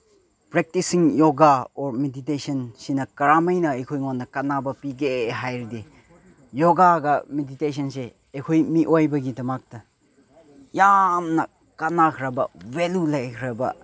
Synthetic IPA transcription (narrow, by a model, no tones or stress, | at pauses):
pɾek̚tisiŋjoɡaoɾmeditesɐnsinɐkɐɾamɐjnɐejkʰojŋonːɐkɐnabɐpiɡeɦajɾidi | joɡaɡɐmedites̬ʰɐnseː | kʰojmiʔojbɐɡidɐmak̚tɐ | jamnɐ | kanakʰɾɐbɐwelulajkʰɾɐbɐ̰